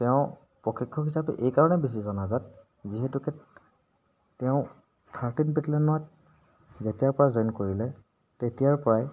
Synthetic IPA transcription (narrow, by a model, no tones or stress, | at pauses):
tɛʊ̃ | pɹɔkʰikʰːɔɦisapɛ̰ʔejkaɹɔnɛbis̬izɔnazat̚ | ziɦetukɛ | tɛʊ̃ | tʰaɹtinpɛtlɛnʊwat̚ | zetijaɹpɔɹazɔjnkoɹilɛ | tetijaɹpɔɹaj